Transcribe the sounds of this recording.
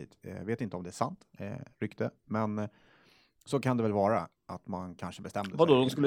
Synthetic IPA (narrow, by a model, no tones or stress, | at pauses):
ḭːt̪veːt̪ɪnt̪əɔmd̪ɛæʂant̪ɾʏkt̪ʰəmɛn | sɔkʰand̪ɛvɛlvɑːɾa | ʔat̪mankʰanʂəbɛst̪ɛmd̪əvad̪od̪ɔmskɵlː